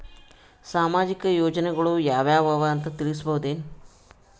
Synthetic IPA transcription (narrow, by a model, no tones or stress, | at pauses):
saːmaːd͡ʒikɐjoːd͡ʒɐneɡɐɭujaːʋjaːʋɐʋant̪ɐt̪iɭis̬ɐbɐɦud̪eːn